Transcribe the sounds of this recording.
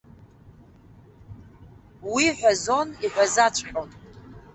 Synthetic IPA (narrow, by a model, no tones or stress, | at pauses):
wiħʷᶣazo̞niħʷᶣazat͡ʃʷʰʼħʲʷᶣʼon